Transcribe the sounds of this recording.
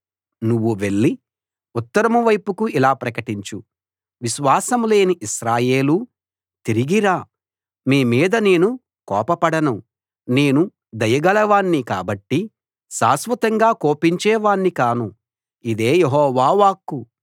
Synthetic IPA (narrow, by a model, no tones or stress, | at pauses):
nuʋːuʋe̞ɭːi | ut̪ːɐɾɐmuʋɐjpukuʔilaːpɾɐkɐʈiɲt͡ʃu | ʋiʃʋaːsɐmle̞ːniʔiʃɾaːje̞ːlu | t̪iɾiɡiɾaː | miːmiːd̪ɐne̞ːnu | kɔ̰ːpɐpɐɽɐnu | ne̞ːnu | d̪ɐjɐɡɐlɐʋaːnːika̰ːbɐʈːi | saːsʋɐt̪ɐŋɡaːko̞ːpiɲt͡ʃɛːʋaːnːikaːnu | id̪e̞ːjeɦɔːʋaːʋaːkːu